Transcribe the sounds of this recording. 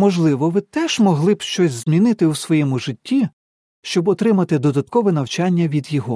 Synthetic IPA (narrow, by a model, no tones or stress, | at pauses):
mɔʒlˠɪʋɔʋɪt̪ɛʒ̥mɔɦlˠɪbʃt͡ʃɔsʲzmʲinɪt̪ɪusʋɔjɛmʊʒɪtʲːi | ʃt͡ʃɔbɔt̪ɾɪmɐt̪ɪd̪ɔd̪ɐt̪kɔʋɛnɐwt͡ʃɑnʲːɐʋʲid̪jɔɦɔ